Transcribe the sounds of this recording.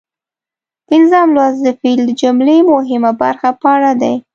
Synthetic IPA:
ɪnzɑmlwazd̪əfild̪əd͡ʒʊmlemʊɦɪmabaɾxapaɽad̪aj

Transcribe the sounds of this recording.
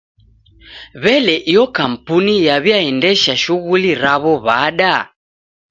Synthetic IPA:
βɛlɛʔijɔkam̩punijaβjaɛndɛʃaʃuɣuliɾaβɔβaːɗa

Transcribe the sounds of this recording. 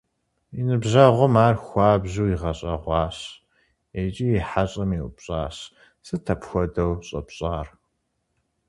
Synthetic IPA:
inɨbʑɐʁʷɔmaːrxʷɑːbʑuwiʁɐɕʼɐ̰ʁʷɑːɕ | et͡ʃʼijiħaɕʼɐmiʔʊpɕʼaːɕ | sɨtʰɐpxʷɔdɐwɕʼɐ̰pɕʼaːr

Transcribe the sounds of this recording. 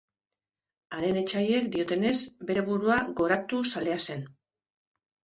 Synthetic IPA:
aɾe̞ne̞t͡ʃaje̞k̚d̪io̞t̪e̞ne̞zbe̞ɾe̞βuɾuaɡo̞ɾat̪usale̞ase̞n

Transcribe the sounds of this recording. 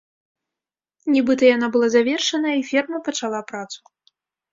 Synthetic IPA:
nʲibɨt̪ɐjanabɨlˠazavʲɛrʂɐnɐifʲɛrmɐpɐt͡ʂalˠapɾat̪su̥

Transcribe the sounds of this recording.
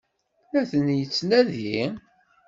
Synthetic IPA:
æθənjət͡sːnæði

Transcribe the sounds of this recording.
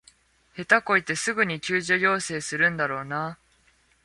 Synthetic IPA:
he̞t̪ako̞it̪e̞sɨɡɯ̟ɲ̟ikʲɨːʑojo̞ːse̞ːsɨɾɯ̟̃nd̪aɾo̞ːna

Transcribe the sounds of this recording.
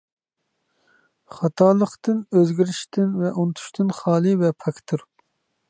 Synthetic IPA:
χɑt̪ʰɑːlˠəqt̪ɨnøzɡʲiɾiʃt̪ʰɪnvɛʔunt̪ʰu̥ʃt̪ʰɨnχɑːlˠɨvɛpʰɑkʲt̪ʰuɾ

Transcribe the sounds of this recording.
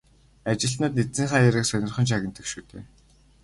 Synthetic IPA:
at͡ɕɪ̆ɬt̪nʊ̆ːt̪net͡sĭŋχaːjæɾɘ̆ksœnʲɪ̆rχɞ̆nt͡ɕʰaɣʲɪ̆nt̪ə̆kʃuːt̪ʰḛː

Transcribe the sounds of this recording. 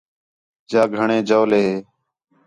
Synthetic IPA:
d͡ʒaːɡʱəɳẽːd͡ʒəːleːɦeː

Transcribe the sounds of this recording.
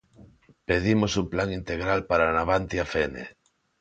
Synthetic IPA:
peð̞imosumplaŋint̪eɣ̞ɾalpaɾanaβant̪jafenḛ

